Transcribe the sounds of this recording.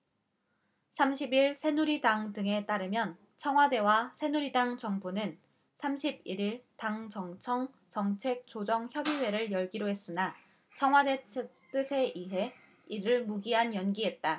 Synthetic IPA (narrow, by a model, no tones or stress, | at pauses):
sʰamɕʰibiɭsʰe̞nuɾidaŋdɯŋe̞t͈aɾɯmjʌn | t͡ɕʰʌŋwade̞wasʰe̞nuɾidaŋt͡ɕʌŋbunɯn | sʰamɕʰib̚iɾiɭtaŋt͡ɕʌŋt͡ɕʰʌŋ | t͡ɕʌŋt͡ɕʰe̞k̚t͡ɕ͈od͡ʑʌŋçjʌbiwe̞ɾɯɭjʌɭɡiɾoɦe̞s͈ɯna | t͡ɕʰʌŋɦwade̞t͡ɕʰet͈ɯsʰe̞ʔiɦe̞ | iɾɯɭmuɡiɦanjʌnɡiɦe̞t̚t͈a